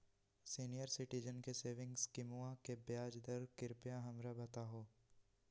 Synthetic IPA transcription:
siːnijəɾsɪʈɪd͡ʒənkeseːʋɪ̃ŋɡskɪmuãkebjaːd͡ʒd̪əɾkɪɾpjãɦɐmɾabɐt̪aɦoː

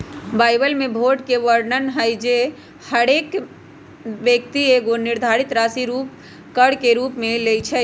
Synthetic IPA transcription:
baːjbəlmebʱoɖkeʋəɾɖnənɦəjd͡ʒe | həɽek | ʋjək̚t̪ieɡoniɾd̪ʱaɾit̪ɾasiɾup | kəɽkeɾupmelet͡ʃʰɛ

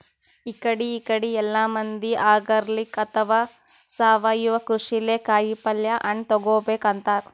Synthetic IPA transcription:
ikɐɽiːkɐɽiɛlːaːmɐnd̪iʔaːɡɐɾlikːɐt̪ʰɐʋaː | saːʋaːjuʋɐkɾuʂileːkaːjipɐljɐʔɐɳɖt̪ɔɡoːbeːkɐnt̪aːɾ

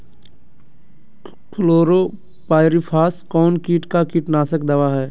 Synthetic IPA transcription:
kʰloːɾoː | paːɪɾipʰaːskɔːnkiːʈkakiːʈnaːsəkd̪ɐʋaɦɛː

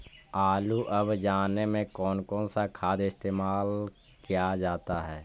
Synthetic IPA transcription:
aːluʔɐbd͡ʒaːnemẽkɔːnkɔːnsakʰaːd̪ɪst̪eːmaːl | kijad͡ʒaːt̪aɦɛː

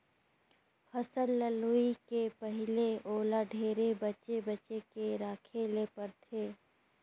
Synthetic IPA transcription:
hɐsəɾːəluikepəɦɪleoːlaɖʱeːɾebət͡ʃebət͡ʃekeɾaːkʰeːlepəɾt̪ʰeː

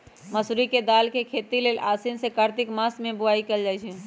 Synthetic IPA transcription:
məsɾiked̪aːlkekʰet̪ileːlʔaːsinsekəɾt̪ɪkmasmẽbʊaikeld͡ʒaːjt͡ʃʰɛ

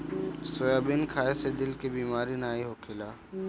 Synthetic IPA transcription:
sojaːbɪnkʰaːesed̪ɪlkebiːmaːɾinaːiɦokʰɪlaː

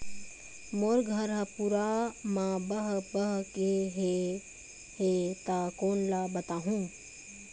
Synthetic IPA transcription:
moːɾɡʱɐɾɦɐpuɾamãbəɦbəɦkeɦe | ɦet̪akoːnlabɐt̪aːɦũː

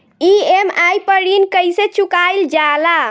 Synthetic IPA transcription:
iemajpəɽinkəjsẽt͡ʃukajld͡ʒala

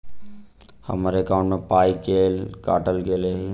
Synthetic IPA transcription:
hə̰maːɾeəkãːʊ̃ɳʈmẽpaːikeːlkaːʈəlkele

